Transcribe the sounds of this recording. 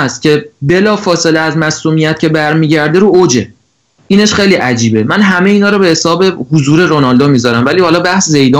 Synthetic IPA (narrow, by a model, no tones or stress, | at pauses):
st̪̚cʲʰe̞be̞lɒːfɒːse̞leæzmæsuːmijæt̪̚cʰe̞bæɾmiːɟæɾd̪eɾuːod͡ʒe̞ | ʔiːneʃχe̞jliːʔæd͡ʒiːbe̞mænɦæmeiːnɒːɾɔːbe̞hesɒːbe̞huzuːɾe̞ɾonɒld̪omiːzɒɾæmvæliːhɒːlɒːbæhsze̞jd̪ɒː